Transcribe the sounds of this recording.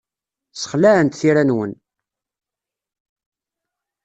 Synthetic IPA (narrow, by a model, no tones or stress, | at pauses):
sə̥χlæənt̪θiɾænwən